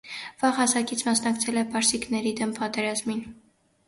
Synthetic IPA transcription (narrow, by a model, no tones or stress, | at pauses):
v̥ɑʁɑsɑkit͡sʰmɑsnɑkt͡sʰɛlɛpɑɾsiknɛɾid̪ɛmpɑt̪ɛɾɑzmin